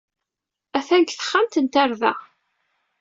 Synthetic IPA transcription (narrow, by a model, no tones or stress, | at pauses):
æθæŋkθə̥χːamt̪ənt̪aɾðæ̰